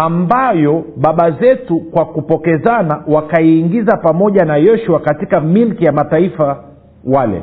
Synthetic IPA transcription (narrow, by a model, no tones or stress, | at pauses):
ambajɔɓaɓazɛtukwakupɔkɛzanawakaiːŋɡizapamɔʄanajɔʃuakatikamilkijamataifa | walɛ̰